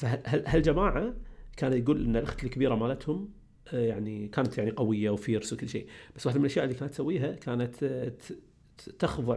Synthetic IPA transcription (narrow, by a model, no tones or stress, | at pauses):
faɦaɦalɦald͡ʒamaːʕakaːnaɡuːlʔɪnːalʔʊ̰xt̪ɪlkbiːɾamaːlat̪hʊm | jaʕnikaːnat̪jaʕniqawɪjːawfiːɾswkəlːʃḛːb̥asːwaħd̪amnlʔaʃjaːʔɪlːikaːnat̪ːsawːiːɦakaːnat̪ | t̪ːaxðˤɨ